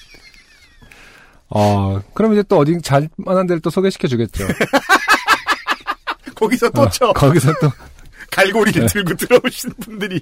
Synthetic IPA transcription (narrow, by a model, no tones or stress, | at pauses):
akɯɾʌmid͡ʑet͈oʌdit͡ɕaɭmanɦandeɭt͈osʰoɡeɕʰi̥kʰjʌd͡ʑuɡe̞t̚t͡ɕ͈o | kʌɡisʰʌt͈ot͡ɕʰʌkʌɡisʰʌt͈okaɭɡoɾintɯɭɡutɯɾʌoɕʰinbundɯɾi